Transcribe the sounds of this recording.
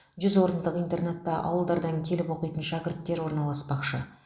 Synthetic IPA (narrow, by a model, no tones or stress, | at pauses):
ʒʏzwo̞ɾənd̪əqijnt̪e̞rne̞t̪ːɑʔɑ̰wəlˠd̪ɑɾd̪ɑŋkʲʰe̞lɪpwo̞qijt̪ənʃækʲɪɾt̪ːe̞ɾwo̞ɾnɑlˠɑspɑqʃə